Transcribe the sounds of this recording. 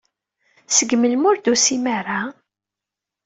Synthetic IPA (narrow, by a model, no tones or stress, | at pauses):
səɡməlmʊɾd̪usimaɾa